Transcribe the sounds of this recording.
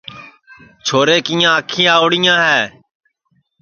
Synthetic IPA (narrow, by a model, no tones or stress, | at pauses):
t͡ʃʰoːɾeːkiːjãːəkʰĩːaːʊɽɪjãːɦɛː